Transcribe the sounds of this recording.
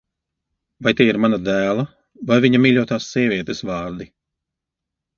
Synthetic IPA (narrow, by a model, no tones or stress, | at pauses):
vajt̪iːiɾmanad̪æːlˠa | vajviɲamiːʎʲuɔt̪aːsːiɛvʲiɛt̪esvɑːɾd̪i